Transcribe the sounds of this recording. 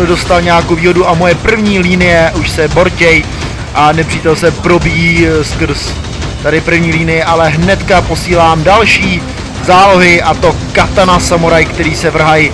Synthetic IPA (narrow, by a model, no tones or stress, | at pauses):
odo̞st̪alɲɛaːkowviːɦo̞duʔamo̞jɛpr̩vɲiːliːnɪjɛʔuʃsɛbo̞ɾcɛj | ʔanɛpr̥iːt̪ɛlsɛpɾo̞bijskr̩s | t̪adɪpr̩vɲiːliːnɪjɛʔalɛɦnɛt̪kapo̞siːlaːmdalʃiː | zaːlo̞ɦɪʔat̪o̞kat̪anasamoɾajkt̪ɛɾiːsɛvr̩ɦaj